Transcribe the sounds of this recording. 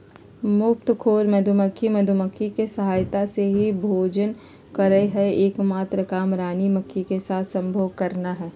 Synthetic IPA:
mʊp̚t̪kʰoːɾmɐd̪ʱuməkʰːimɐd̪ʱuməkʰːikesɐɦaːjt̪aseɦibʱoːd͡ʒən | kɐɾəeɦɛeːkmaːt̪ɾəkaːmɾaːnimɐkʰːikesaːt̪ʰsɐ̃mbʱoːɡkɐɾnaɦɛː

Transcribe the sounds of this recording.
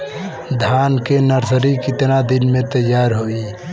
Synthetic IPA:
d̪ʱankenəɾsəɾikɪt̪nad̪inmẽt̪əjːaɾɦoi

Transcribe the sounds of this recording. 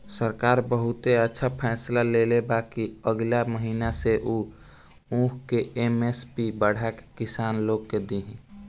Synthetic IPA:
səɾkaːɾbəɦʊt̪eətːʃʰapʰɛːslalelebaːkiəɡlaməɦiːnaseʔuː | ũːkʰkeʔemespibəɽ̤ake̥kɪsaːnloːɡ̚ked̪iɦĩ

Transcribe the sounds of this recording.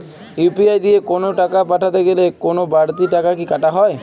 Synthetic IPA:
jupiajd̪ijekonoʈakapaʈʰat̪eɡelekonobaɾt̪iʈakakikaʈaɦɔe

